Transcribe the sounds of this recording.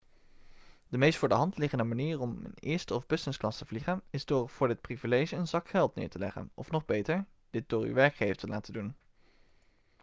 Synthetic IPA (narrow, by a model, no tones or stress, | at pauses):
dəmejstfʊːdəɦɑntlɪχəndəmaniːrɔmə̰nɪːɹstəɔvbɵsənsklɑstəv̥liχənɪzdʊːɹv̥ʊːɹdɪt̚privilejʒəənzɑkχɛlˠtnɪ̰ːɹtəlɛ̰χə̰nʔɔ̰fnɔχbejtəɹ | d̥ɪt̚d̥ʊːɹy̰ʋɛɹkχejftəlʔa̰ːtədun